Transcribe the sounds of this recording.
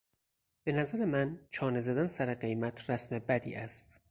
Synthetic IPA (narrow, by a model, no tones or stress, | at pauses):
b̥e̞næzæɾemænt͡ʃʰɒːnezæd̪ænsæɾeɢe̞jmæt̪ʰɾæsmebæd̪ḭːʔæst̪